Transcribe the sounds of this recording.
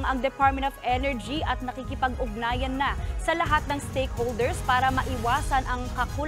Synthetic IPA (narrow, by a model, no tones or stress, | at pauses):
ŋʔɐŋd̪ɛpaɹt̪mɛnt̪ofʔɛnɛɹd͡ʒiʔɐt̪̚nɐkikɪpɐɡʔʊɡ̚naːjɐnːɐsɐlɐɦat̪̚nɐŋst̪ejkhold̪ɛɹspaːɾɐmɐʔɪwaːsɐnʔɐŋkɐkul